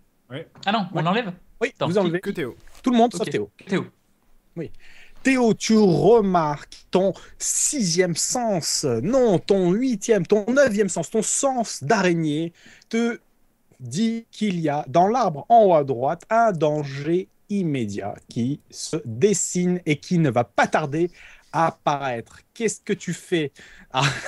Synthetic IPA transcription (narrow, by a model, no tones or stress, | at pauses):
anɔ̃nɑ̃lɛv | wivuzɑ̃lvet̪ot̪uləmɔ̃d̪sat̪eot̪eo | wit̪eot̪yʁəmaʁkt̪ɔ̃sizjɛmsɑ̃snɔ̃t̪ɔ̃ɥit̪jɛmt̪ɔ̃nəvjɛmsɑ̃st̪ɔ̃sɑ̃sd̪aʁeɲe | t̪ə | d̪ikʰʲiliad̪ɑ̃laʁbʁɑ̃wad̪ʁwat̪ʰɛ̃d̪ɑ̃ʒe | imed̪ja̰kʲisəd̪esinekʲʰinəvapat̪aʁd̪eapaʁɛt̪χkʲɛskət̪yfɛa